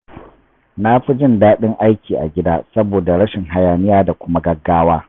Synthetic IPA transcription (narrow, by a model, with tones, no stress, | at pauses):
na˦ɸi˦d͡ʒɪ˦ndaː˦ɗɪ˦ŋʔa˦jkʲiː˨ʔa̰˨ɡʲɪ˦da̰ː˦sɐ˦boː˨da˨ɽɐ˦ʃɪ˨ŋɦa˦jaː˨nɪ˦jaː˦da˨kʷʊ˦ma˦ɡɐ˦ɡːaː˦waː˦